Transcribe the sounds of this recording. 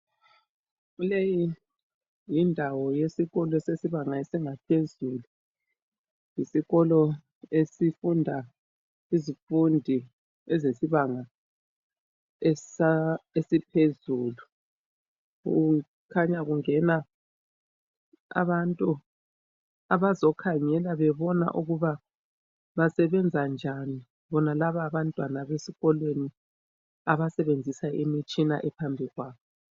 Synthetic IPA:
ɣuleji | jindʱawɔjesiɣɔlɔesesiβaŋaesiŋapʰezulu | jisiɣɔlɔ | esifundʱa | izifundʱi | ɛzesiβaŋa | ɛaesipʰezuːlu | ṵ | kʰaɲaɣuŋɛna | a̰βantʼu | aβazɔkʰaŋɛlaβɛβɔna̰ʔuɣuβa | βasɛβɛnd͡zʱand͡ʒʱani | βɔnalaβaβantʼwanaβesiɣɔlweni | aβasɛβend͡zʱisaemit͡ʃʼina̰ʔɛpʰambʱiɣwaːβɔ

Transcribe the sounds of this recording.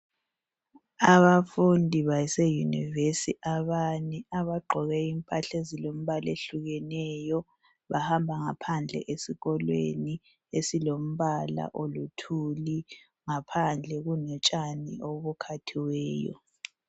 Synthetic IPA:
aβafundʱiβasejunḭvesiʔaβaniaβaɡ͡ǃʱɔɣɛimpʼaɬezilom̩βaleɬuɣɛnɛjɔ | βahambʱaŋapʰand͡ɮʱɛ̰ʔesiɣɔlwḛni | esilom̩βala̰ʔolutʰuli | ŋapʰand͡ɮʱɛɣunɔt͡ʃʼanḭoβukʰatʰiwɛːjɔ̰

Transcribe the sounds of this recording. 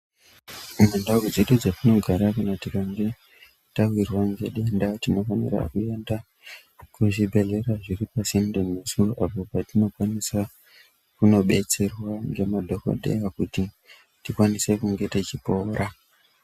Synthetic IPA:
unendawed͡zeɗud͡zatino̞ɡʱaɾakanatikaŋɡe̞ | tawirwaŋɡeɗendatino̞fanḭra̰kue̞nda | kuʐibʱe̞ɮe̞raʐiripasimdemːesuroʔapo̞patino̞kwanisa | kuno̞ɓe̞t͡se̞rwaŋɡe̞madʱo̞ko̰ɗe̞̰akuti | tikwanise̞kuŋɡe̞tet͡ʃipo̞ːra

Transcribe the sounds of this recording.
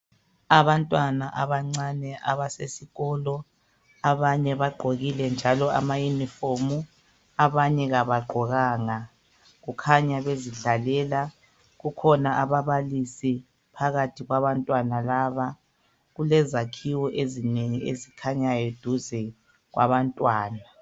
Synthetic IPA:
aβantʼwanaʔaβaŋ͡ǀanɛʔa̰βasesiɣɔlɔ | aβaɲɛβaɡ͡ǃʱoɣilɛnd͡ʒʱalɔa̰majunifomu | aβaɲɛɣaβaɡ͡ǃʱɔɣaːŋa | ɣukʰaɲaβeziɮalɛːla | ɣukʰɔnaʔaβaβalisi | pʰaɣatʰiɣwaβantʼwanalaːβa | ɣulɛzakʰiwɔʔezineŋiḛzikʰaɲajɔd̥ʱuzɛ | ɣwa̰βantʼwaːna

